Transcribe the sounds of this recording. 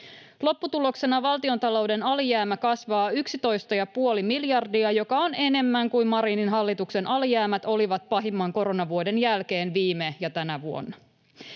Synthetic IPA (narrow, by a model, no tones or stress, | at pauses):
lo̞pːut̪ulo̞kse̞nɑʋɑlt̪io̞nt̪ɑlo̞wde̞nɑlijæːmækɑsʋɑːyksit̪o̞jst̪ɑjɑpuo̞limiljɑrdiɑjo̞kɑo̞ne̞ne̞mːæŋkuimɑɾininɦɑlːit̪ukse̞nʔɑlijæːmæt̪o̞liʋɑt̪̚pɑɦimːɑŋko̞ɾo̞nɑʋuode̞njælke̞ːnʋiːmejɑt̪ænæʋuo̞̰nːɑ